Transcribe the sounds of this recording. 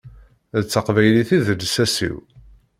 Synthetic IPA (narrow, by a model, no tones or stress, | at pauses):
ðət͡sːəqvæjliθiðəd̪sæsḭw